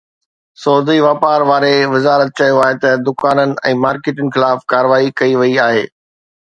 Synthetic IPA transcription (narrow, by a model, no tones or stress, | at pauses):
sɔːɦd̪iʋaːpaːɾʋaːɾeʋɪzaːɾət̪̚t͡ɕɐjoaːɦet̪ɐd̪ʊkaːnənɪ̆ɛ̰̃ːmaːɾkeːʈənɪ̆xɪlaːfkaːɾəʋaːikɐiʋɐiaːɦḛː